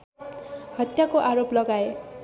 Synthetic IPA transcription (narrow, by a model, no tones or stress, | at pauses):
hʌt̪jakoʔaɾoplʌɡae